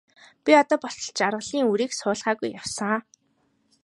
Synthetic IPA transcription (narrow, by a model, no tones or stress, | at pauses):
pʲiɔt̪ɔːpɔɬtɞ̆ɮt͡ɕarʁə̆ɮiːŋuɾiːksʊːɮʁaːɣujːawsə̆ŋa